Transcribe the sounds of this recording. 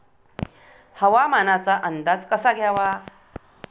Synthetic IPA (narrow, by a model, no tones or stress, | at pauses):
həʋamanat͡saʔənd̪ad͡zkəsaɡʱjaʋa